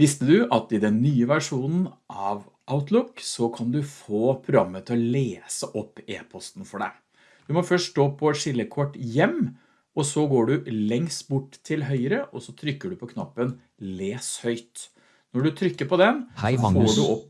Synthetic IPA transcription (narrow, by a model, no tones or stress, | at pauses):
ʋɪst̪əd̪ʉʔɑt̪ɪd̪ɛnːyːəʋæʂuːnn̩ʔɑʋ | ʔaʊt̪ʰlʊksɔkʰɑnd̪ʉfoːpʰɾʊɑmːət̪ʰɪɔleːsəʔɔpːeːpʰɔst̪n̩fɔɖæ̰ɪ | d̪̥ʉmɔfœʂtoːpʰɔʂɪlːəkʰɔʈːjɛmː | ɔsɔɡoːɖʉlɛŋst̪bʊʈːt̪ʰɪlɦœʏəɾəʔɔsɔt̪ʰɾʏkːəɖʉpʰɔkʰnɑpːən | leːshœʏt̪ | nɔɖʉt̪ʰɾʏkːəpɔd̪ɛnɔfoːɖʉɔpː